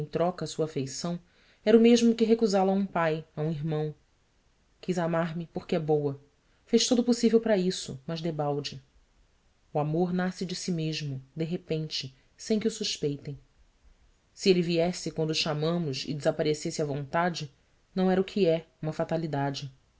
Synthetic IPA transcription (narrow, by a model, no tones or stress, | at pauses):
ẽj̃t̪ɾɔkɐsuɐafejsɐ̃w̃ | ɛɾʊmeʒmʊkɪɦekuzalɐaũpajaũiɦmɐ̃w̃ | kizamaɾmɪpoχkɪɛbowɐ | fejʃt̪od̪ʊpusivewpɾɐisʊ̰mɐʒd̪ebawd͡ʒɪ | uamoɾnasɪd͡ʒɪsimeʒmʊd̪eɦepẽnt͡ʃɪ | sẽj̃kɪusuʃpejt̪ẽj̃ | sielɪviɛsɪkwɐ̃nd̪ʊʃamɐ̃mʊʃɪ̰d͡ʒɪzapaɾesesɪɐvõnt̪ad͡ʒɪ | nɐ̃w̃ɛɾɐukʰɪɛũmɐfat̪alid̪ad͡ʒɪ